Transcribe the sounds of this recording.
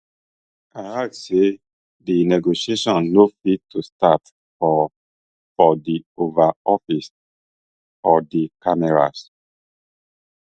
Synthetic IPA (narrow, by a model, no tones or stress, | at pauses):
aase | dinɛɡoʃieʃɔ̃nnofittːustat | fɔ | fɔdiovaɔfis | ɔdikamɛɹa̰s